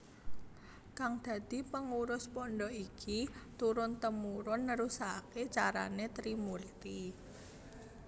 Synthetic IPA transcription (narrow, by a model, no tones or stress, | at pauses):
kaŋd̪̥ä̤d̪̥i̤pəŋuɾʊspɔnɖɔikit̪uɾʊnt̪əmuɾʊnːəɾusaket͡ʃaɾa̰net̪ɾimurt̪i